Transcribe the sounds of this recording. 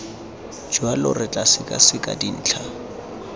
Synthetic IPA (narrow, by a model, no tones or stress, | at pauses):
d͡ʒwalʊrɪt͡ɬʼasɪkʼa̰sɪkʼa̰din̩ːt͡ɬʰa